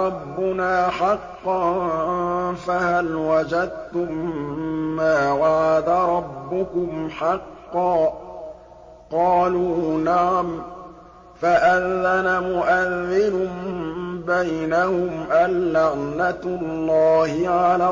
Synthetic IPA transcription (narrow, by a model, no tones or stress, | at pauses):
ɑbːʊnaːħɑqːɑn | fahalwad͡ʒad̪̚t̪ʊmː | aːwaʕad̪aɾˤɑbːʊkʊmħɑqːɑː | qɑːluːnaʕam | faʔanːanamʊʔaðːɪnʊmbajnahʊmʔalːaʕnat̪lːɑːhɪʕalaː